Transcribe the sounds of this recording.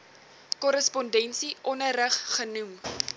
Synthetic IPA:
kɔɾəspɔndɛnsiʔɔnəɾəχχənum

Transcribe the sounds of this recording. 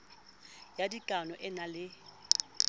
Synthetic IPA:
jadikʼanɔʔɪnalɪ

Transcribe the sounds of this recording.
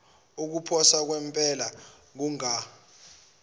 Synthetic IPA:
uk̬upʰɔsak̬wɛmpʼɛla | k̬uŋa

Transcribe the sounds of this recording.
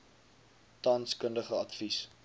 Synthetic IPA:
tɐnskəndəχəɐtfis

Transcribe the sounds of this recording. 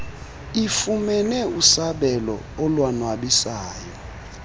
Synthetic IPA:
ifumɛnɛusaɓɛlɔ̰ | ɔlwanwaɓisaːjɔ

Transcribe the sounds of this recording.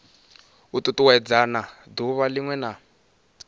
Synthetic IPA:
ututuwɛd͡zana | d̪uβaliŋwɛna

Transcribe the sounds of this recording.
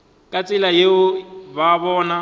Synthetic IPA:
kʼat͡sʼɪlajeʊbaβɔːna

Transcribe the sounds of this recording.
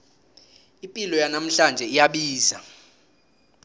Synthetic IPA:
impʼilɔjanam̩ɬand͡ʒʱɛijaɓiːza

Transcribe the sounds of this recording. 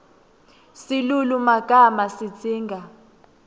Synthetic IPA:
silulumaɡ̥ʱamasi̥d͡z̥ʱiːŋɡʱa

